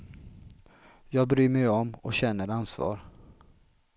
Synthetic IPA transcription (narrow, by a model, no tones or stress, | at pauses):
jɑːɡ̚bɾyːmɛjɔmɔɕɛnəɾansvɑ̰ːɾ